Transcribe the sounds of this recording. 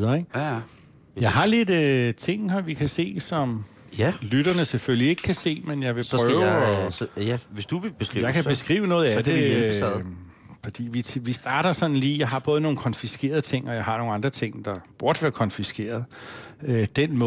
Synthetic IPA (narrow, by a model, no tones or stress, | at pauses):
ðˠɐeɡ̥ | jɑ̈ɪɦɑ̈le̝d̥ət͡sʰe̝ŋ̰ɒʋikʰæse̝̰ːsɒ̽m | lyɾɐnəseføllie̝ɡ̥ə̥kʰæse̝̰ːmenjɑ̈ɪʋe̝pʰʁœʊʊɒæʋesd̥uʋeb̥esijɑ̈kʰæb̥e̝sɡ̥ʁḭːʊənɔ̽ːð̩ˠæd̥e | fɒ̽d̥ḭːʋiʋisd̥ɑ̈ːɾ̥ɐsɒ̽nn̩liːjɑ̈ɪɦɑ̈b̥ɔ̽ð̞ˠnoːn̩kʰɒ̽nfisɡ̥e̝̰ːɐð̞ˠət͡sʰe̝ŋ̰ɒ̽jɑ̈ɪɦɑ̈no̝ːŋ̩nɑ̈nd̥ʁɐt͡sʰe̝ŋ̰d̥ɑ̈b̥uɐd̥ʋæɐkʰɒ̽nfisɡ̥e̝̰ːɐð̞ˠød̥enmɔ̽